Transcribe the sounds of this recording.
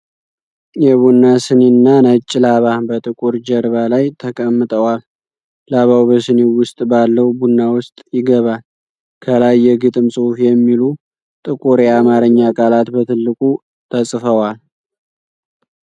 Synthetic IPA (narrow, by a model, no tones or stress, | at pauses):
jɛβunːasɨnenːanət͡ʃʼːɪlaβabət̪ʼɨkʼuɾd͡ʒəɾβalajt̪ʰəkʼəmːɨt̪ʼəwalː | aβawbəsɨnewʊst̪ʼbalːəwbunːawʊst̪ʼjɪɡəβal | kʰəlajːɛɡɨt̪ʼɨmsʼuhufjɛmːilu | t̪ʼɨkʼuɾjɛamaɾɨɲːakʼalat̪bət̪ʰɨlːɨkʼu | t̪ʰəsʼfəwal